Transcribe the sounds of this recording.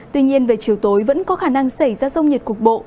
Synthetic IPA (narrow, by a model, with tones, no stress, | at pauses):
t̪wi˧ɲi˧ənve˨˩t͡ɕi˨˦əwt̪o˨˦jvə̰˧˥nkɔ˨˦xaː˧˩na˧ŋsa˧˩jzaː˧zə˧wŋ͡mɲi˨˩t̚ku˨˩ək̚ɓo̰˧˨